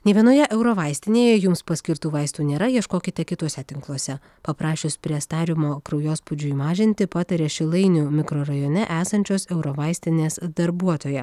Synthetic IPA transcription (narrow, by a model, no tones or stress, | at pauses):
nʲɛʋʲiɛnoːjɛʔɛʊɾoːʋɐɪsʲt̪ʲɪnʲeːjɛjʊmspɐsʲkʲɪɾt̪uːʋɐɪst̪uːnʲeːɾɐjiɛʃkoːkʲɪt̪ʲɛkʲɪt̪uɔsʲɛt̪ʲɪŋklˠuɔsʲɛ | pɐpɾɑːʃʲʊspʲɾʲiɛst̪ɑːɾʲɪmoːkɾɐʊjoːspʊd͡ʒʲʊiːmɑːʒʲɪnʲt̪ʲɪpɑːt̪ɐɾʲeːʃʲɪlˠɐɪnʲʊmʲɪkɾoːɾɐjoːnʲɛʔæːsɐnʲt͡ʃʲoːsɛʊɾoːʋɐɪsʲt̪ʲɪnʲeːsd̪ɐɾbuɔt̪oːjɛ